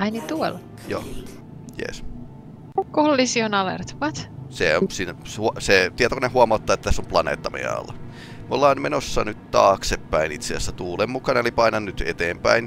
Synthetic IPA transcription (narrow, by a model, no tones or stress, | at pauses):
ɑinit̪uol | jo̰ː | jḛs | ukolːisionɑlḛrt̪uʋɑt̪seonsiːnæhuset̪iæt̪okonehuɑmɑot̪ːɑːet̪ːæt̪æsːomplɑnḛːt̪ːɑmḛɑ̰lːɑ | molːɑːnmenosːɑnyt̪t̪ɑːksepːæinit̪seæsːæt̪uːlemmukɑnelipɑinɑnnyt̪et̪eːmpæin